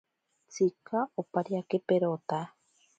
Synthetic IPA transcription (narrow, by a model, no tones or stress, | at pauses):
t͡sikaopaɾiakepeɾot̪a